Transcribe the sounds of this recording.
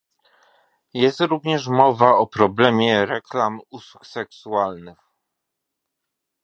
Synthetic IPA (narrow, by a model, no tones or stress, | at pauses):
jɛst̪ɾuvɲɛʂ̬mɔvaɔpɾɔblɛmʲjɛɾɛklamuswuksɛksualnɘx